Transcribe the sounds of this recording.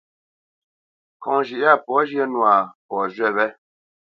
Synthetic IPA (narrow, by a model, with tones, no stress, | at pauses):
kɔ̃˨ŋʒi˨ʔa˦˨pɔ˨˦ʒjə˦nwa˨pɔ˨ʒwɛ˦˨βɛ˦